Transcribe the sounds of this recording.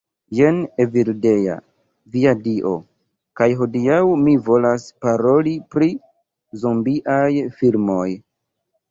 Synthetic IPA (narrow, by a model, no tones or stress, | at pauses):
jeneviɾde̞ja̰ | viadiʔo̞̰ | kajɦo̞diawmivo̞laspaɾo̞lipɾi | zombiʔajfilmo̞j